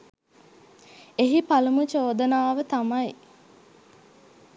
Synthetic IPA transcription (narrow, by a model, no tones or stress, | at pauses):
eɦipalumut͡ʃoːd̪ənaːʋət̪amɐj